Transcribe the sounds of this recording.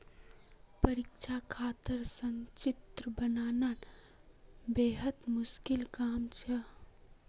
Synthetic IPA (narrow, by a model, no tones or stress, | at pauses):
pəɾikt͡ʃʰakʰaːt̪əɾsəŋt͡ʃit̪ɾəbənaːnan | beːɦət̪mʊskilkaːmt͡ʃʰə